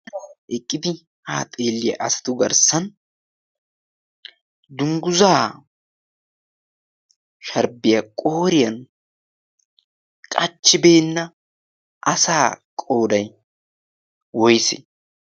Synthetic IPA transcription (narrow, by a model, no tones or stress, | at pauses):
ɛkʼːɪd̪ɪ | haːt̪ʼe̞ːlːɪjɐ̰ʔɐsɐ̥t̪ʊɡɐɾsɐn | d̪ʊŋɡʊzaː | ʃɐɾbɪjɐkʼo̞ːɾɪjɐn | kʼɐt͡ʃːɪbeːnːɐ | ʔɐsaːkʼo̞ːd̪ɐj | wɔjsɪ̰